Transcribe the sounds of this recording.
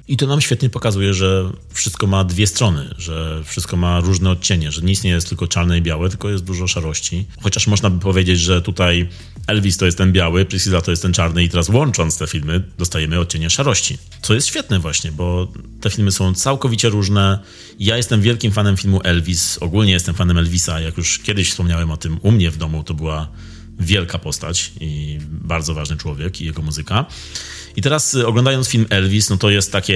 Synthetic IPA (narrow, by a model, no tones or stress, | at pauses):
it̪ɔnamɕfʲɛt̪ɲɛpɔkazujɛʐɛfʂɘst̪kɔmad̪vʲjɛst̪ɾɔnɘ̰ʐɛfʂɘst̪̚kɔmaɾuʐnɛɔt̪̚t͡ɕeɲɛʐɛɲeist̪ɲejɛst̪ɘlkɔt͡ʂaɾnɛibʲjawɛt̪ɘlkɔjɛst̪d̪uʐɔʂaɾɔɕt͡ɕixɔt͡ɕaʂmɔʐnabɘpɔvʲjed͡ʑed͡ʑʐɛt̪ut̪aj | ɛlvʲist̪ɔjɛst̪ɛnbʲjawɘpiskʲizat̪ɔjɛst̪ɛnt͡ʂaɾnɘit̪ɛɾaswɔnt͡ʂɔnt̪st̪ɛfʲilmɘd̪ɔst̪ajɛmɘɔt̪̚t͡ɕeɲɛʂaɾɔɕt͡ɕi | t̪sɔjɛst̪ɕfʲjɛt̪̚nɛvwaɕɲɛbɔt̪ɛfʲilmɘsɔ̃w̃t̪sawkɔvʲit͡ɕɛɾuʐnɛ | jajɛst̪ɛmvʲjɛlkʲimfanɛmfʲilmuʔɛlvʲisɔɡulɲɛjɛst̪ɛmfanɛmɛlvʲisajakjuʂkʲɛd̪ɘɕfspɔmɲawɛmɔt̪ɘmumɲɛvd̪ɔmut̪ɔbɘwa | vʲjɛlkapɔst̪a̰t͡ɕibaɾd̪zɔvaʐnɘt͡ʂwɔvʲjɛkijɛɡɔmuzɘka | it̪ɛɾasɔɡlɔnd̪ajɔnt̪sfʲilmɛlvʲisnɔt̪ɔjɛst̪ːakʲɛ